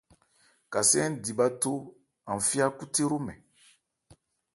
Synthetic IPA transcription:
ka˨sɛ̃˦n˦di˨ba˦to˦ | ã˨ɱ˨fi˦a˦ku˦te˦ɾo˦mɛ̰̃˨

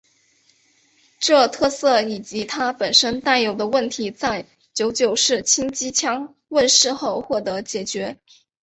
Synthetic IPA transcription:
ʈ͡ʂɤ˥˧t̪ʰɤ˥˧sɤ˥˩i˨˩t͡ɕi˧˥t̪ʰa˥pə˨˩nʂə˥nt̪a˥˩ɪjo˨˩ʊd̪ə˧wə˥˩nt̪ʰi˧˥t͡sa˥˩ɪ | t͡ɕjo˧˥ʊt͡ɕjo˨˩ʊʂɻ̩˥˩t͡ɕʰi˥ŋt͡ɕi˥t͡ɕʰjɑ˥ŋ | wə˥˧nʂɻ̩˥˧xo˥˧ʊxwɔ˥˩t̪ɤ˧˥t͡ɕjɛ˨˩t͡ɕɥɛ˧˥

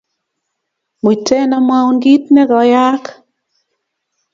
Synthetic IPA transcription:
mu˨i˨tɛ˦na˦ma˦wnɡi˦tnɛ˦ɡɔ˨ja˦k

